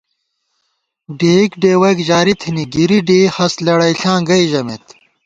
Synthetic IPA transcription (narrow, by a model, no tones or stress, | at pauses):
ɖeːikɖeːwɐjkʑaːɾit̪ʰiniɡiɾiɖiːhɐslɐɽɐjɬãːɡɐjʑɐmet̪